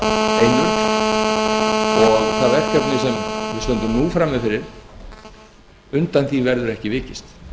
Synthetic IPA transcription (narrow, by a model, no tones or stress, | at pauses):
ejnʏ | ɔɣθaðɛr̥ʰɛt̪nɪsɛmvɪst̪œnt̪ʏmnuːfɾaːmɛðfɪɾɪɾ̥ | ʏnt̪anθivɛɾðʏɾɛhcɪvɪːcɪst̪